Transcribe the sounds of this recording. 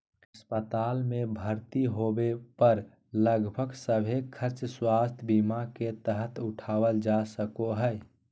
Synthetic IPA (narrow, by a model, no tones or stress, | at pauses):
əspət̪aːlmebʱəɾt̪iɦobepəɾ | ləɡbʱəɡsəbʱekʰəɾt͡ʃswast̪ʰbimaket̪əɦət̪ʊʈʰawəld͡ʒasəkoɦəj